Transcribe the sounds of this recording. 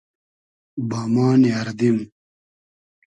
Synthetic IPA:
bamaːniɐɾd̪im

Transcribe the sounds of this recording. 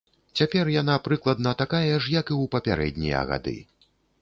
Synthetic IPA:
t͡sʲapʲɛrjanapɾɨklˠɐd̪nɐt̪akajɛʂjɐkiwpɐpʲaɾʔɛ̰d̪ʲnʲḭjɐ̰ɣa̰d̪ɨ̰

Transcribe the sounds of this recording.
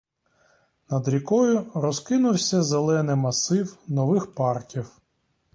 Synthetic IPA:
nɐd̪ɾʲikɔjʊɾɔzkɪnʊwsʲɐzelˠɛnɪmɐsɪwnɔʋɪxpɑrkʲiw

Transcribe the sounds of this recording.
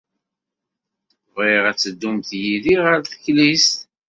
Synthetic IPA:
viʁæt͡sːəd̪ːumθjiliʁəɾθə̥çlist̪

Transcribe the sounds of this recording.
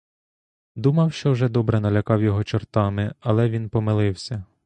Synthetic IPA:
d̪umɐwʃt͡ʃɔwʒɛd̪ɔbɾɛnɐlʲɐkɑwjɔɦɔt͡ʃɔrt̪ɑmɪɐlˠɛʋʲinpɔmɪlˠɪwsʲɐ

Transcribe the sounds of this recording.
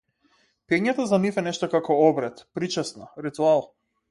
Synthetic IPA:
pɛɲat̪azanifɛnɛʃt̪ɔkakɔɔbɾɛt̪pɾit͡ʃɛsnaɾit̪ualˠ

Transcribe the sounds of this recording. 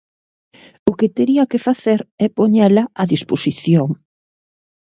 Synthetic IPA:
ʊket̪eɾiɐkefaθeɾɛpoɲɛlɐaðisposiθjoŋ

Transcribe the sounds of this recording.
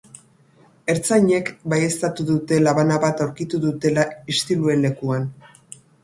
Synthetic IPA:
e̞ɾt͡sajɲe̞kbaje̞st̪at̪uðut̪e̞laβanaβat̪awɾkit̪uðut̪e̞laist̪ilue̞nle̞kuan

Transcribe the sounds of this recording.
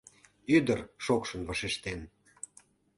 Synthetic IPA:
yd̪ərʃokʃə̆nvəʃeʃt̪en

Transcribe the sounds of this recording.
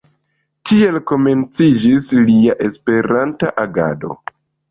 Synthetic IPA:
tʰie̞lko̞me̞nt͡sid͡ʒisliaʔe̞spe̞ɾantaʔaɡa̰do̞̰

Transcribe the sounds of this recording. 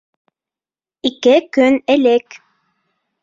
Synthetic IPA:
ikɘkɵnɘlɘk

